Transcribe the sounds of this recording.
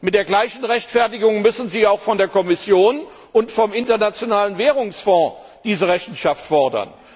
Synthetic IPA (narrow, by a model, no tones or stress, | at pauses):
mɪt̚d̥eːɐɡlaɪçn̩ʁɛçtfɛɐtɪɡʊŋmʏsn̩ziːaʊxfɔndeːɐkɔmɪsjoːn | ʔʊntfɔmɪntɐnat͡sjonaːlənvɛːʁʊŋsfɔ̃ː | d̥iːzəʁɛçn̩ʃaftfɔɐdɐ̰n